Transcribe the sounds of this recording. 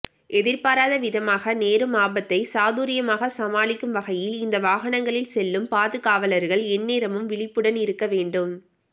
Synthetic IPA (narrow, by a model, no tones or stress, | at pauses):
ʔɛðɪɾpaːɾaːðɐʋɪðɐmaːɣɐneːɾɯmaːbɐt̪ːɐɪsaːðuːɾɪjɐmaːɣɐsɐmaːɭɪkːɯmʋɐɣɐjɪlɪnd̪ɐʋaːɣɐɳɐŋɡɐɭɪlsɛlːɯmpaːðɯɣaːʋɐlɐɾɣɐɭɛnːeːɾɐmɯmʋɪɭɪpːɯɽɐnɪɾɯkːɐʋeːɳɖɯm